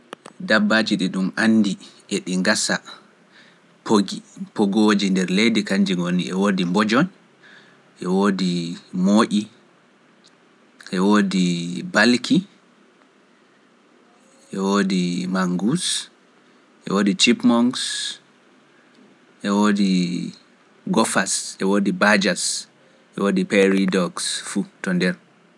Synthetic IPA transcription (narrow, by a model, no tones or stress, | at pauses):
dabːad͡ʒiɗiɗumʔanːdiʔeɗiŋɡasa | pʰoɡipoɡoːd͡ʒindɛɾlejdikaɲd͡ʒiŋɡonːiɛwoːdimbɔd͡ʒɔn | ʔɛwoːdimoːʔi | ʔɛwoːdibalkʰi | ʔɛwoːdimaŋɡus | ʔɛ̰woːdit͡ʃipmɔŋɡs | ʔɛwoːdi | ɡɔfasʔɛwoːdibad͡ʒas | ʔɛwoːdipɛɾidɔksfutɔndɛɾ